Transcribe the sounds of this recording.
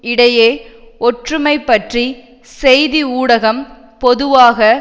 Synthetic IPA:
ɪɽɐjeːʔɔʈrɯmɐɪpːɐʈri | sɛjðiuːɽɐɣɐm | pɔðɯʋaːɣɐ

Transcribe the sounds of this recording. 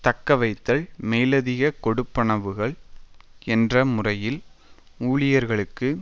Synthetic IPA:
t̪ɐkːɐʋɐɪt̪ːɐɭmeːlɐðɪɣɐkɔɽɯpːɐɳɐʋɯɣɐɭ | ɛndrɐmʊrɐjɪl | uːɭɪjɐɾɣɐɭɯkːɯ

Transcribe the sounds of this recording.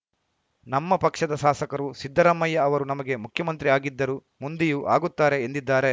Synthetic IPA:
nɐmːɐpɐkʂɐd̪ɐʃaːsɐkɐɾusid̪ʱːɐɾɐmːɐjːɐːʋɐɾunɐmɐɡe̞mukʰjɐmɐnt̪ɾiaːɡid̪ːɐɾu | mund̪ijuʔa̰ːɡut̪ːaːɾe̞ːnd̪id̪ːaːɾe̞

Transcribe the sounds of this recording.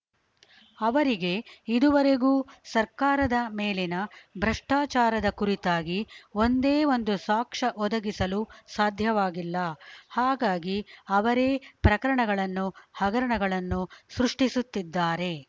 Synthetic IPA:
ɐʋɐɾiɡe̞id̪uʋɐɾe̞ɡuːsɐɾkaːɾɐd̪ɐmeːlenɐbʱɾɐʂʈaːt͡ʃaːɾɐd̪ɐkuɾit̪aːɡiond̪eːʋo̞nd̪usaːkʂɐʔɔd̪ɐɡisɐlusaːd̪ʱjɐʋaːɡilːɐhaːɡaːɡiɐʋɐɾeːpɾɐkɐɾɐɳɐɡɐɭɐnːuhɐɡɐɾɐɳɐɡɐɭɐnːusɾuʂʈisut̪ːid̪ːaːɾe̞

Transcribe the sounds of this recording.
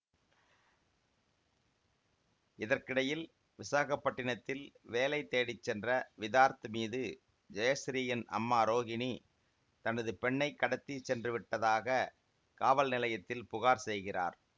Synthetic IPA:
ɪðɐrkɪɽɐjɪl | ʋɪsaːɣɐpːɐʈːɪɳɐt̪ːɪlʋeːlɐɪt̪ːeːɽɪt͡ʃːɛndrɐʋɪðaːɾt̪ɯmiːðɯ | d͡ʒɐjɐsɾɪjɐnɐ̰mːaːɾoːɣɪni | t̪ɐnɐðɯpɛɳːɐɪkːɐɽɐt̪ːit͡ʃːɛndrɯʋɪʈːɐðaːɣɐ | kaːʋɐlnɪlɐjɐt̪ːɪlpʊɣaːɾsɛjɣɪra̰ːɾ

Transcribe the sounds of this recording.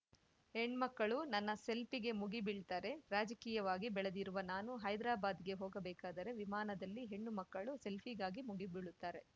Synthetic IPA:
he̞ɳːmɐkːɐɭunɐnːɐse̞lpiɡe̞muɡibiɭt̪aːɾe̞ɾaːd͡ʒɐkiːjɐʋaːɡibɛɭed̪iɾuʋɐnaːnuɦɐjd̪ɾaːbaːd̪ɡe̞ɦoːɡɐbɛːkaːd̪ɐɾe̞ʋimaːnɐd̪ɐlːiɦe̞ɳːumɐkːɐɭuse̞lpʰiɡaːɡimuɡibiɭut̪ːaːɾe̞

